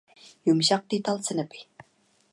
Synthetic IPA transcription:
jumɕɑq̚t̪it̪ɑlˠt͡sə̆nə̆pi̥

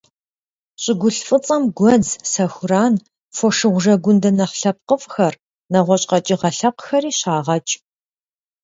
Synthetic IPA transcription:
ɕʼɪɡʷʊɬfʼɨt͡sʼɐmɡʷɔzsɐxʷʊraːn | fɔʂɨʁʷʊʒɐɡʷʊndɐnɐχɬɐp̚qəfʼxɐr | nɐʁʷɔɕʼqɐt͡ʃʼiʁɐɬɐqxɐriːɕaːʁɐt͡ʃʼ

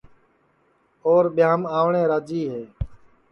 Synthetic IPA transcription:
oːɾɓɪjaːmaːʋɳẽːɾaːd͡ʒiːɦeː

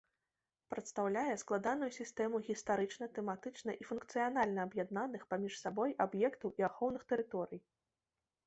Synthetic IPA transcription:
pɾɐt̪st̪awlʲajɛsklˠad̪anujusʲist̪ɛmuɣʲist̪aɾɨt͡ʂnɐt̪ɛmat̪ɨt͡ʂnɐʔifunkt̪sɨjanalʲnɐːbjad̪nanɨxpamʲiʂsabɔjabjɛkt̪ɐwʔiaxɔwnɨxt̪ɛɾɨt̪ɔɾɨj

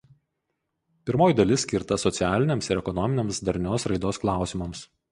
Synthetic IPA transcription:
pʲɪɾmoːjɪd̪ɐlʲɪsʲkʲɪɾt̪ɐsɔt̪sʲɪæːlʲɪnʲeːmsɪɾɛkɔnɔmʲɪnʲeɛmsd̪ɐɾʲnʲoːsɾɐɪd̪oːsklˠɑˑʊsʲɪmɐms

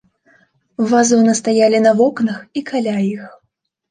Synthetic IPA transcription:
vazɔnɐst̪ajalʲinɐvɔknɐxikʰalʲajix

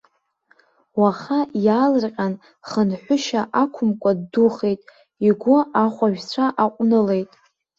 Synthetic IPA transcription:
waχajaːlɨrqʲʼan | χənħʷʊʃaʔakʷʰʊmkʷʼadːuχe̞jtʼ | iɡʷʊaχʷaʒᶣt͡ɕʷʰaʔaqʷʼnɨle̞jtʼ

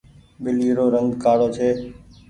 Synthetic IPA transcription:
ɓɪliːɾoːɾəŋɡkaːɽoːt͡ʃʰeː

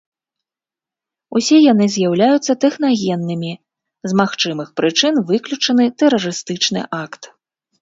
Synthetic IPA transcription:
usʲɛjan̪ɨzʲjawlʲajut̪sːɐt̪ɛxnaɣʲɛnːɨmʲi | zmaxt͡ʂɨmɨxpɾɨt͡ʂɨnvɨklʲut͡ʂɐnɨt̪ɛrɐɾɨst̪ɨt͡ʂn̪ɨ̰ʔakt̪

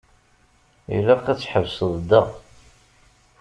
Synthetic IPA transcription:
ḭlæqæt͡sːħəvsəðˤd̪əʁ

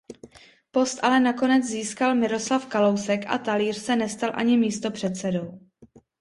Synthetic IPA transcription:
po̞st̪ʔalɛnako̞nɛd͡zziːskalmɪɾo̞slafkalo̞wsɛkʔa̰t̪aliːr̝̥sɛnɛst̪alʔa̰ɲɪmiːst̪o̞pr̝̥ɛt̪t͡sɛdo̞w

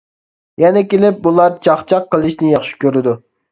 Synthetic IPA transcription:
jɛnɛkʲelɪp̚bulˠɑɾt͡ʃʰɑχt͡ʃʰɑqːəlˠɪʃnɪjɑχʃi̥kʲʰøɾɪd̪u

